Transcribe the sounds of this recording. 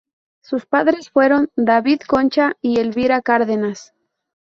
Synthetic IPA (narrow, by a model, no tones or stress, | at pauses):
suspaðɾe̞sfwe̞ɾo̞nd̪aβiðko̞nt͡ʃaielβiɾakaɾðenas